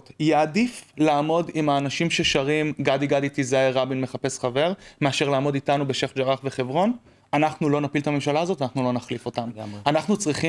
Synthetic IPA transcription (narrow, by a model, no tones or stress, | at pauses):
tjeadiflaːmo̞dimaːnaʃimʃe̞ʃaʁimɡadiɡaditizaeʁabinme̞χape̞sχave̞ʁme̞aʃe̞ʁlaːmo̞ditanube̞ʃeχd͡ʒaʁaχve̞χe̞vʁo̞n | anaχnulo̞napilt̪ame̞mʃalaːzo̞tanaχnulo̞naχlifo̞tamanaχnut͡sʁiχi